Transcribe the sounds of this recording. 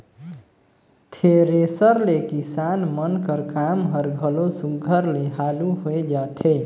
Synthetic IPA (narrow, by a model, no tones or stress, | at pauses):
t̪ʰeɾesəɾlekisanmənkəɾkamɦəɾɡʱəlosuɡʱəɾleɦaluɦoed͡ʒat̪ʰe